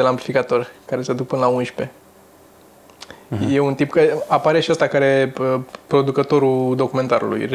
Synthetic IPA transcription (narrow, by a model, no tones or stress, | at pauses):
elamplifikat̪o̞rʲkaɾe̞sead̪uk̚pɨnəlaunʃpe̞ | jeunt̪impkaeapaɾe̞ʃiast̪akaɾe̞əpɾo̞d̪ukət̪o̞ɾud̪o̞kume̞nt̪aɾṵlṵjr